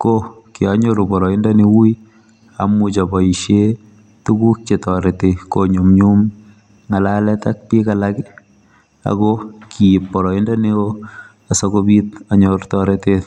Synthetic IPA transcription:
kokiaɲoɾubɔɾɔindaniwui | a̰mut͡ʃɔbɔiʃe | tukuk̚t͡ʃetɔɾetekoɲomɲum | ŋalalɛtak̚pikalakɪ | a̰kɔkiːpːɔɾɔindanio | asɔkobit̚aɲortɔɾetet

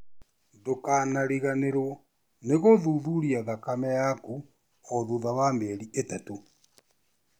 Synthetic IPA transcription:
dokaːnaɾiɣaneɾo | neɣoðuðuɾiaðakamɛjaku | oðuðawamɛɾiʔetato

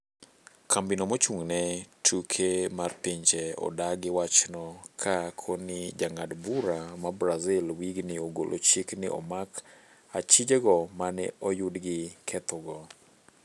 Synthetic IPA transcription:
kʰambinomɔt͡ʃuŋnɛtʰukʰemart̪ɪɲt͡ʃɛɔ̰daɡɪwat͡ʃnɔkʰakʰonɪd͡ʒaŋadbuɾamabɾazɪlwiɡnɪoɡo̰lʔo̰t͡ʃiknɪ̰ʔɔ̰mak | at͡ʃid͡ʒeɡɔmanɛ̰ɔjʊdɡɪkʰɛt̪ɔɡɔ

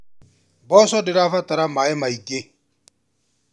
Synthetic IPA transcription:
bɔsɔdɪɾafatʼaɾamaɛmaikʼe

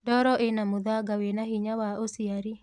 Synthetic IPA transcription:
dɔɾɔʔenamoðaɡawenahiɲawaʔosiaɾi

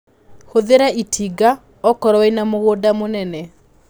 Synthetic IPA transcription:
hoðeɾaʔitʰiɡa | ɔkɔɾɔɛinamoɣodamonɛnɛ

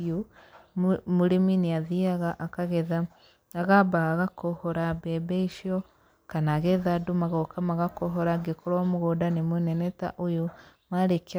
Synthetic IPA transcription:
o | muɾiminiaðiaɣaʔakaɣeða | aɣabaaɣakohoɾabebeiʃio | kanaɣeðadumaɣokamaɣakoɦoɾaɡekoɾamuɣodanemuneneta̰ʔojomaɾek

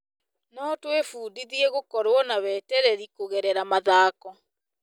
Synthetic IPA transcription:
nɔtwefuːdiðieɣokɔɾwɔnawɛːtɛɾɛɾikoɣɛɾɛɾamaðaːkɔ

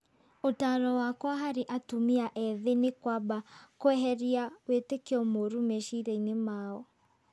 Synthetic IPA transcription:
otaːɾɔwakwaɦaɾeʔatumiaʔɛðenekwabakoɛɦɛɾiawetekeɔmoɾumɛʃiɾeinemaːɔ

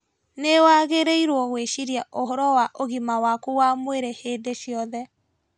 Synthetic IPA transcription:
newaɣeɾeiɾwɔɣweʃiɾjaʔoɦɔɾɔwaʔoɣimawakuwamweɾehedeʃjɔðɛ

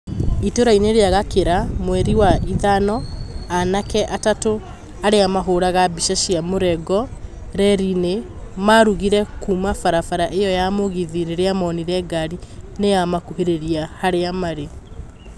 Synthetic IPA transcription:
itoɾaineɾeaɣakeɾamwɛɾiwaiðanɔanakɛʔatato | aɾeamaɦoːɾaɣabiʃaʃiamoɾɛɡɔ | ɾɛɾine | maɾuɣiɾɛkumafaɾafaɾaʔejɔjamoɣiðiɾeɾeamɔniɾɛɡaɾinejamakuɦeɾeɾiahaɾeamaɾe

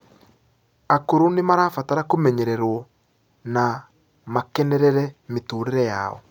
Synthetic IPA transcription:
akoɾonemaɾaːfataɾakomɛɲɛɾɛɾwɔ | na | makɛnɛɾɛɾɛmetuːɾeɾɛja̰ɔ̰

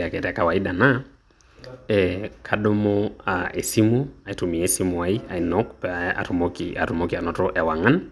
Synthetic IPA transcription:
jakɛtɛjakawaiɗana | ɛkʰaɗomɔaʔesimuaitumiɛsimuaia̰inɔkpɛaa̰tmɔkḭa̰tumɔkianɔtɔʔɛawaŋan

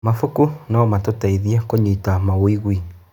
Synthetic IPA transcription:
mafukunaɔmatotaiðiɛkoɲitamawoiɣwi

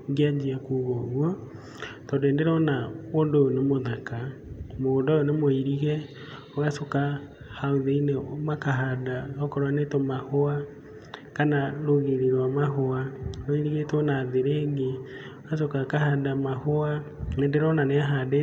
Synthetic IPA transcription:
ɡead͡ʒiakuɣɔɣwɔ | tɔndendeɾɔnaondoonemoðakamoːndɔonemoiɾiɣɛ | ɔɣasoka | hauðeinemakaɦadaɔkɔɾwanetɔmahoa | kanaɾoɣeɾiɾwamaɦoaɾoiɾiɣetonaːðeɾeɡe | oɣasokakahadamahoanendeɾɔnaneaɦade

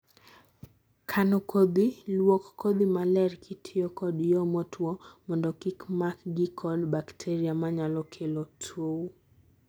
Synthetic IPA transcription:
kʰanɔkʰod̪ilwɔkːɔd̪imalɛɾkʰitʰɪɔkɔdjɔmɔtʰwɔmɔndɔkikmakɡikʰɔlbaktʰɛɾiamaɲalɔkʰelɔtʰou

